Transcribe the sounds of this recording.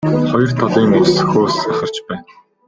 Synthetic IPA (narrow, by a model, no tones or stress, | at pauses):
χɔjɞ̆r̥t̪ʰɔɮiːners̆xoːsæχə̆r̥t͡ɕpæːn